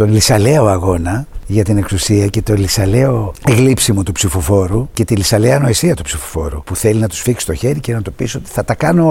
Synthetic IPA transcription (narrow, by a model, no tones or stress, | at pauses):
t̪o̞nlisɐle̞o̞ɐɣo̞nɐʝɐt̪ine̞ksusiɐce̞t̪olisɐleo̞eɣlipsimot̪upsifofo̞ɾuce̞t̪ilisɐleɐno̞esiɐt̪upsifo̥fo̞̰ɾṵpuθe̞linɐt̪u̥sfiksi̥st̪o̞çe̞ɾice̞nɐt̪upiso̞t̪i̥θɐt̪ɐkɐno